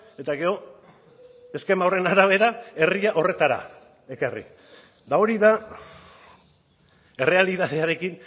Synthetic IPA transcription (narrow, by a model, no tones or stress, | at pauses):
e̞t̪aɣe̞o̞ | e̞ske̞mawre̞naɾaβ̞e̞ɾae̞riaʔo̞re̞t̪aɾa̰ | e̞karḭ | d̪ao̞ɾiða | e̞re̞aliðað̞eaɾe̞kin